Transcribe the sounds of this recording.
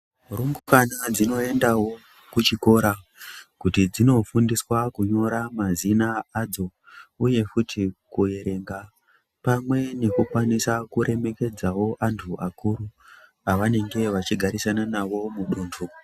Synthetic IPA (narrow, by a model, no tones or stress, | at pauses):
rumɡukanad͡zino̞e̞ndawo̞ | kut͡ʃiko̞ɾa | kutid͡zino̞fundiswakuɲo̞ɾamazinaːd͡zo̞ | uje̞kutʰikuje̞ɾe̞ŋɡa | pamwe̞ne̞kukwanisakuɾe̞me̞ke̞d͡zawo̞ʔantʰuʔakuɾu | aʋane̞ŋɡe̞ʋat͡ʃiɡʱaɾisananaʋo̞muɗuːntʰu